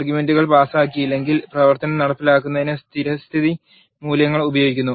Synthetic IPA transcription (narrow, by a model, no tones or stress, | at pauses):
rɡjume̞nduɣɐɭpaːsɐaːk̬ʲːijlːe̞ŋɡilprɐʋɐrt̪ɐnɐmnɐɽɐpːilaːkːunːɐðinɨst̪ʰiɾɐst̪ʰiði | muːljɐŋːɐɭubɐjo̞ːɡikʲːunːu